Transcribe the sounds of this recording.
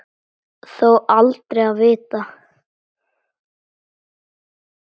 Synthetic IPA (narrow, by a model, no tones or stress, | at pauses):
θowʔalt̪ɾejaðvɪːt̪a